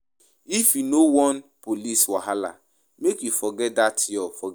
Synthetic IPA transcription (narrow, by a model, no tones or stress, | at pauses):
ifjunowɔnpoliswaɦala̰ | mekjufɔɡɛt̚datʰɔfɔ